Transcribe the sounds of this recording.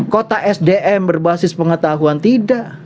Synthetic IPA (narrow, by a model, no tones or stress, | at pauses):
kot̪aʔɛsdeʔɛmbərbasɪspəŋət̪aɦuant̪idaʔ